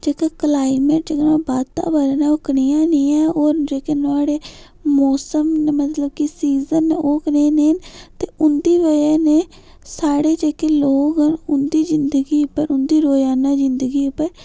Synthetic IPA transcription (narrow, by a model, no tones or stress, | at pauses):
d͡ʒeːkeːklaːɪmeːʈ̚d͡ʒeːkenaːbaːd̪t̪ã̰ːbəɾnãːʊkɳijãːniːɛ̃ːoːɾd͡ʒeːkeːnʊaːɽeː | mɔːsəmnmət̪ləbkɪsiːzənːoːkneːneːnt̪eːʔʊnd̪iːʋəjaːneː | saːɽeːd͡ʒeːkeːloːɡənʊnd̪iːzɪnd̪əɡiːʊpːəɾʊnd̪iːɾoːjaːnãːzɪnd̪əɡiːʊpːəɾ